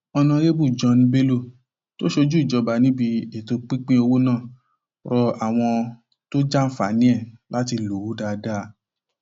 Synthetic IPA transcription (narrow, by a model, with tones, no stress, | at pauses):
ɔ˧nã˧ɾe˦bu˦˨d͡ʒɔ̃˧nĩ˧be˦lo˦˨ | to˦ʃo˧d͡ʒu˦i˦˨d͡ʒɔ˧ba˧nĩ˨˦bi˧e˨to˧k͡pĩ˦k͡pĩ˦o˧wo˦nãː˦˨ | ɾɔ˧a˨w̃ɔ̃˧ | to˦d͡ʒa˦fa̰˨˦nĩ˦ɛ˦˨la˦ti˧lo˨u˨˦da˧da˦˧